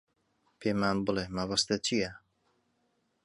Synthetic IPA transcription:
pʰeːmaːnbɨlemɐβɐst̪ɐt͡ʃʰijɛ

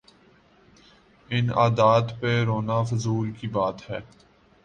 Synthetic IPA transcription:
ɪna̰ːd̪aːt̪peɾoːnaːfʊzuːlkibaːt̪ɦɛː

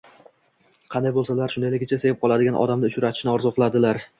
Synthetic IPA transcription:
qʰɑnd̪ajbolˠsalaɾʃʊnd̪ajlɪɡʲɪt͡ʃʰase̞jɪp̚qʰɒlˠad̪ɪɡʲanʔɒ̰d̪amnɪʊt͡ʃʰʊɾat̪ʰɪ̥ʃnɪɒɾzɒqlˠad̪ɪlaɾ

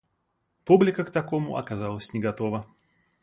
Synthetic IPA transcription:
publʲɪkəkt̪ɐkomʊ̰ʔɐ̰kɐzalˠəsʲnʲɪɡɐt̪ovə

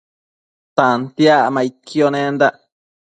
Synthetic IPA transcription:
t̪ant̪iaʔmãit̪̚kʰjonẽnd̪aʔ

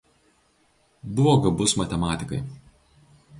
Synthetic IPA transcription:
bʊʋɔːɡɐbʊsmɐt̪ʲɛmɑːt̪ʲɪkɐɪ

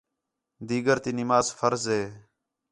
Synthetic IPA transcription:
d̪iːɡəɾt̪iːnɪmaːzfəɾzɦeː

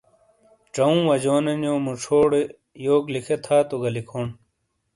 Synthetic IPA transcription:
ʈ͡ʂɐũːwɐd͡ʑoːnenjoːmuʈ͡ʂʰoːɽe | joːklikʰet̪ʰaːt̪oɡɐlikʰoːɳ

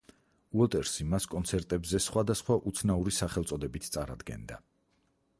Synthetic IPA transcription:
uɔt̪ʼɛɾsimaskʼɔnt̪sʰɛɾt̪ʼɛbzɛsχwad̪asχwaʔut̪sʰnauɾisaχɛlˠt̪sʼɔd̪ɛbit̪ʰt̪sʼa̰ɾa̰d̪ɡɛ̰nd̪a̰

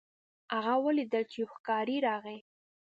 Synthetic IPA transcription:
aɣawəlid̪əlt͡ʃexkɑɾiɾɑɣe

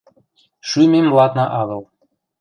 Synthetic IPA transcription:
ʃymemːlˠɑt̪nɑʔɑɣɤlˠ

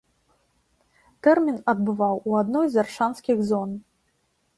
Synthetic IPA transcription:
t̪ɛrmʲinɐd̪̚bɨvawuad̪nɔjzarʂanskʲiɣzɔn

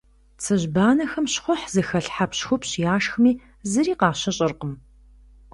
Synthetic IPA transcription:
t͡sʰɨʑbaːnɐxɐmɕχʷʊħzɨxɐɬħapɕxʷʊpɕjaːʃxmiː | zɨɾiːqɑːɕɐɕʼɐrqəm

